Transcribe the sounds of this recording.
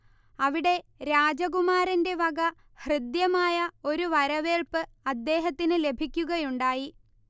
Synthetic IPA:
ɐʋiɽe̞ɾaːd͡ʑɐɣumaːɾɐnde̞ʋɐɡɐ | hrɨd̪jɐmaːjɐo̞ɾuʋɐɾɐʋe̞ːɭpɨɐd̪ːe̞ːɦɐt̪ːinɨle̞bʱikʲːuɣɐjuɳɖaːji

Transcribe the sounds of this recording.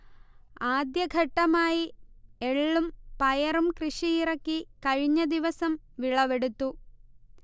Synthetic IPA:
aːd̪jɐɡʱɐʈːɐmaːjie̞ɭːumpɐjɐrumkrɨʂijirɐkːikɐɻiɲːɐd̪iʋɐsɐmʋiɭɐʋe̞ɽut̪ːu

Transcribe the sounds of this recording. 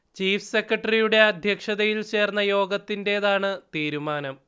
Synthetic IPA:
t͡ɕiːfʰɨ̥se̞krɐʈːɐrijuɽe̞ɐd̪ʱjɐkʂɐðɐjilt͡ɕe̞ːrnːɐjo̞ːɡɐt̪ːinde̞ːðaːɳɨt̪iːɾumaːnɐm

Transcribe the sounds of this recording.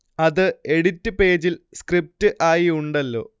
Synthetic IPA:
ɐðɨe̞ɽitːɨpe̞ːd͡ʑilskrip̚tɨʔaːjiuɳɖɐlːo̞̰ː

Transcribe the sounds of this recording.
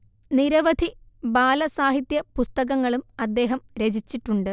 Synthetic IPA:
niɾɐʋɐd̪ʱibaːlɐsaːɦit̪jɐpust̪ɐɣɐŋːɐɭumɐd̪ːe̞ːɦɐmɾed͡ʑʱit͡ɕːiʈːuɳɖɨ

